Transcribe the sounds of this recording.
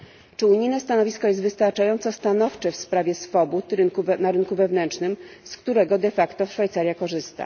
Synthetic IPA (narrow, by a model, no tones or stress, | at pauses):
t͡ʂɘuɲijnɛst̪anɔvʲiskɔjɛst̪vɘst̪aɾt͡ʂajɔnt̪sɔst̪anɔft͡ʂɛfspɾavʲjɛsfɔbut̪ɾɘnkunaɾɘnkuvɛvnɛnt͡ʂnɘmskt̪uɾɛɡɔd̪ɛfakt̪ɔʂfajt̪saɾʲjakɔʐɘst̪a̰